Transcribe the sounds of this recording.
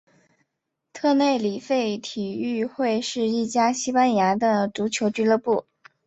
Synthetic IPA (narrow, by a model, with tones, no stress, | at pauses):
t̪ʰɤ˥˧ne˥˩ɪli˨˩fe˥˩ɪt̪ʰi˨˩y˥˧xwe˥˧ɪʂɻ̩˥˧i˥˩t͡ɕja˥ɕi˥pa˥nja˧˥d̪ə˧ʈ͡ʂu˧˥t͡ɕʰjo˧˥ʊt͡ɕy˧˥lɤ˥˧pu˥˩